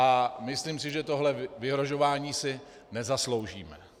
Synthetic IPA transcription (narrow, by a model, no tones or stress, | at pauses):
ʔamɪsliːmsɪʒɛt̪o̞ɦlɛvɪɦɾo̞ʒo̞vaːɲiːsɪ | nɛzaslo̞wʒiːmɛ